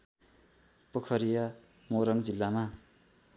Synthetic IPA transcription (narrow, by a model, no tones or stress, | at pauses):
pʌkʰʌɾijʌ | moɾʌŋd͡zilːama